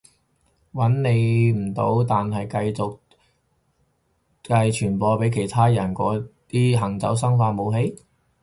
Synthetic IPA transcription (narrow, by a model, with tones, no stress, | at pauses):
wɐ˨˥nne˨˧jm̩˨˩t̪o̰˨˥wt̪aː˨nɦɐ˨jkɐ˧jt͡sʊ˨k̚ | kɐ˧jt͡ʃʰyː˨˩npɔː˧pe˨˥jkʰe˨˩jt̪ʰaː˥jɐ˨˩nkɔː˨˥t̪iː˥ɦɐ˨˩ŋt͡sɐ̰˨˥wsɐ˥ŋfaː˧mo˨˧wɦe˨˥j